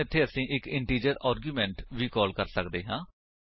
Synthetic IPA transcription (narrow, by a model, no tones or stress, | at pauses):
ɪt̪ʰːeːəsĩːʔɪkɪɳʈiːd͡ʒəɾaːɾɡjuːmɛ̃ːɳʈʋiːkɔːlkəɾsəkd̪eːɦãː